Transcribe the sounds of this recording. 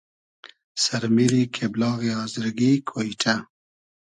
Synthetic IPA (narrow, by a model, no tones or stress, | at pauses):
saɾmiɾikʰeblɑːɣeɑːzəɾɡikʰoiʈʰa